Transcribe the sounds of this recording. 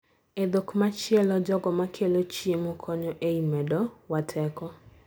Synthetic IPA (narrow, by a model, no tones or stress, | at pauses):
ed̪okmat͡ʃjɛlɔd͡ʒɔɡɔmakʰelot͡ʃiemukʰɔɲɔʔeimɛdɔwatʰɛkɔ